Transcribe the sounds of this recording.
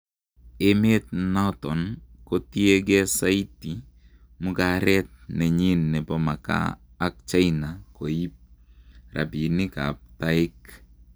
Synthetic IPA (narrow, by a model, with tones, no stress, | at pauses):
e˦me˦t̚na˦tɔ˨nko˦ti˦e˦ɡɛ˦sa˦i˦ti˨ | mʊ˦ka˨ɾɛ˦t̚nɛ˨ɲi˦nːɛ˨bɔma˨ka̰ː˦ | k̚t͡ʃa˦jna˨ko˨i˦p̚ra̰˨bi˨nɪ˦ka̰p̚ta˦ɪ˦k